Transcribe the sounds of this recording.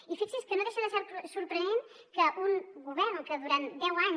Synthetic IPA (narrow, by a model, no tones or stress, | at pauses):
ifiksiskənoðeʃəðəʃaɾpsuɾpɾənen | kəʔuŋɡuβɛɾnkəðuɾand̪ɛwaɲ